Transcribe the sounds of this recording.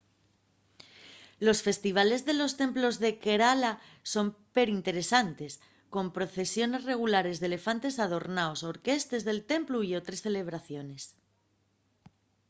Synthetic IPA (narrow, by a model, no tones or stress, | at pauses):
lo̞sfe̞st̪iβ̞ale̞zðe̞lo̞st̪e̞mplo̞zðe̞ke̞ɾala | so̞mpe̞ɾint̪e̞ɾe̞sant̪e̞s | ko̞mpɾo̞θe̞sjo̞ne̞zre̞ɣ̞ulaɾe̞zðele̞fant̪e̞sað̞o̞ɾnaoso̞ɾke̞st̪e̞zðe̞lt̪e̞mpluio̞t̪ɾe̞sθe̞le̞β̞ɾaθjo̞ne̞s